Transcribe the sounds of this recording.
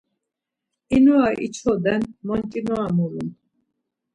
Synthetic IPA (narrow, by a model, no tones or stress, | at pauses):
inuaʔḭt͡ʃʰɔd̪ɛnmɔnt̪ʼinɔamulḭn